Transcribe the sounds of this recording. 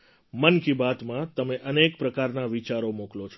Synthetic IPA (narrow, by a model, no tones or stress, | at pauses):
mənkibat̪mãt̪əmeʔənek̚pɾəkaɾnaʋit͡ʃaɾomoklot͡ʃʰo